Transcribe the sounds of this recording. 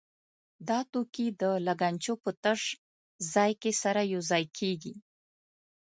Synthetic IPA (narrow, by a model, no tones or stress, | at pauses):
d̪ɑt̪okid̪əlaɡant͡ʃopət̪əʂ | zɑjkesaɾajowzɑjkʰeɡi